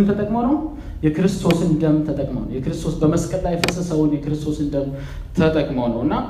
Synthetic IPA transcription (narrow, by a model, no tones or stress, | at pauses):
mt̪ʰət̪ʼəkʼmonəw | jɛkɨɾɨst̪ʰo̞sɨnd̪əmt̪ʰət̪ʼəkʼmo̰nə̰wjɛkɨɾɨst̪ʰo̞sbəməskʼəllajɛfəsəsəwʊnjɛkɨɾɨst̪ʰo̞sɨnd̪əm | t̪ʰət̪ʼəkʼməwnəwɨnːa